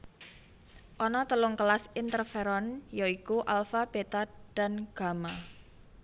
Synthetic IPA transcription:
ʔɔnɔt̪əlʊŋkəlasint̪ərfeɾɔnjoikuʔalfab̥et̪ad̥a̤nɡ̥a̤ma

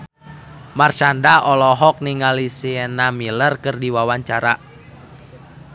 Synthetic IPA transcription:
mart͡ʃandaɔlɔɦɔk̚niŋalisiɛnamilərkɨrdiwawaɲt͡ʃaɾa

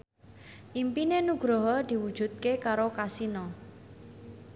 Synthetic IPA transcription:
ʔimpinenuɡ̥ɾɔɦɔd̪̥i̤wud̥ʒ̥ṳt̪̚kekaɾokasinɔ

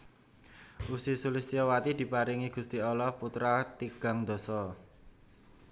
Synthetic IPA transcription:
ʔusisulist̪iɔwat̪id̪̥i̤paɾiŋiɡ̥ṳst̪iɔlɔhput̪ɾat̪iɡ̥a̤ŋd̪̥ɔ̤sɔ

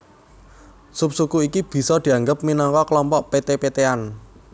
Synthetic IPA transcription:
sup̚sukuikib̥i̤sɔd̪̥i̤aŋɡəp̚minɔŋkɔklɔmpɔʔpet̪epet̪ean

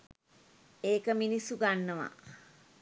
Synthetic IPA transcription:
eːkəminisːuɡanːəʋa̰

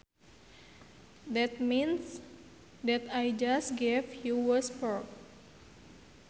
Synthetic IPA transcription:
d̪ɛt̪̚mins | d̪ɛt̪ajd͡ʒasɡevjuwəspɔk̚

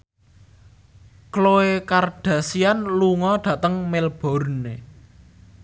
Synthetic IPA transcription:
kloekarɖ̥a̤sianluŋɔɖ̪̥ä̤t̪əŋmelb̥ɔ̤ɾne

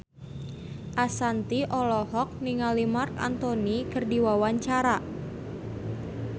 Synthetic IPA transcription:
ʔasant̪iʔɔlɔɦɔk̚niŋalimarka̰nt̪onikərdiwawaɲt͡ʃaɾa

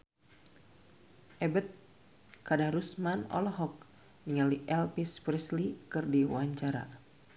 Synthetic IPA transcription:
ʔɛbət̪̚ | kadaɾusmanɔ̰lɔɦɔk̚ | niŋaliʔɛlpispɾɛslikɨrdiwaɲt͡ʃaɾa̰

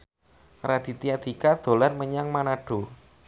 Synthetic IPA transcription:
rad̪̥i̤t̪iad̪̥i̤kad̪̥o̤larməɲaŋmanaɖ̥o̤

